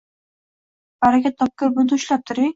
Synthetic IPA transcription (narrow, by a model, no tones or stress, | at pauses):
b̥aɾakʲat̪ʰːɒp̚koɾbʊd̪ʊʊʃlap̚t̪ʰʊɾɪ